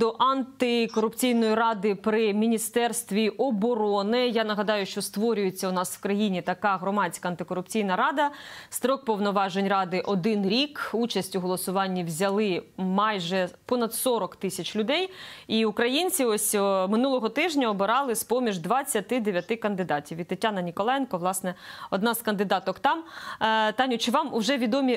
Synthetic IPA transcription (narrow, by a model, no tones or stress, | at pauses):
d̪ɔʔɐnt̪ɪkɔɾʊpt͡sʲijnɔjirɑd̪ɪpɾɪmʲinʲist̪ɛrst̪ʋʲiʔɔbɔɾɔnɪjanɐɦɐd̪ɑjʊʃt͡ʃɔst̪ʋɔɾʲʊjet͡sʲːɐʊnɑsw̥kɾɐjinʲit̪ɐkɑɦɾɔmɑt͡sʲkɐɐnt̪ɪkɔɾʊpt͡sʲijnɐɾɑd̪ɐst̪ɾɔk̚pɔwnɔʋɑʒenʲrɑd̪ɪʔɔd̪ɪnɾʲikut͡ʃɐsʲtʲuɦɔlˠɔsʊʋɑnʲːiwzʲɐlˠɪmɑjʒɛpɔnɐd̪sɔɾɔkt̪ɪsʲɐt͡ʃlʲʊd̪ɛjiukɾɐjinʲt͡sʲiɔsʲmɪnulˠɔɦɔt̪ɪʒnʲɐɔbɪɾɑlˠɪspɔmʲiʒd̪ʋɐt͡sʲːɐt̪ɪd̪eʋʲjɐt̪ɪkɐnd̪ɪd̪ɑtʲiʋʲʋʲit̪ːɐtʲːanɐnʲikɔlˠɛjnkɔʋlˠɑsnɛɔd̪nɑzkɐnd̪ɪd̪ɑt̪ɔkt̪ɑm | t̪ɑnʲʊt͡ʃɪʋɑmʊʒɛʋʲid̪ɔmʲi